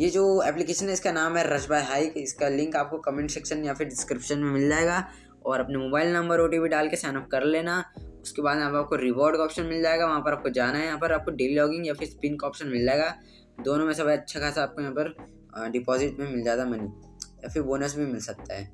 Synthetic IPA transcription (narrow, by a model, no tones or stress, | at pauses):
jed͡ʒoːɛːplɪkeːʃənɦɛɪskanaːmɦɛɾɐd͡ʒbaːɦaːɪkɪskalɪ̃ŋkaːp̚kokɐmẽɳʈsɛkʃənjafʰɪɾɖɪskɾɪpʃənmẽmɪld͡ʒaːeːɡaː | ɔːɾɐpnemoːbaːɪlnɐ̃mbəɾoːʈ̬ibʱiɖaːlkesɛːnɔp̚kɐɾleːnaʊskebaːd̪mẽaːpaːp̚koɾɪbɔːɾɖkaɔːpʃənmɪld͡ʒaːeːɡaʋɐɦãːpɐɾaːp̚kod͡ʒaːnaɦɛjɐɦãpɐɾaːp̚koɖeːlilɔːɡɪ̃ŋɡjaːfʰɪɾspɪnkaɔːpʃənmɪld͡ʒaːeːɡaː | d̪oːnõmẽsɐbəjɐtːʃʰakʰaːsaaːp̚kojɐɦãpɐɾ | ɖɪpɔːzɪʈmẽmɪld͡ʒaːeɡ̪amɐni | jaːfɪɾboːnəs̬bʱimɪlsɐk̚t̪aɦɛ̰ː